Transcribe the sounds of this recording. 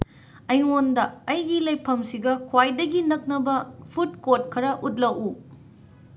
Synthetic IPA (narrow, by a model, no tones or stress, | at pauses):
ɐjŋondɐːjɡilɐjpʰːɐmsiɡɐkʰwajdɐɡinɐk̚nɐbɐpʰutkot̚kʰɐɾɐʔut̚lɐwu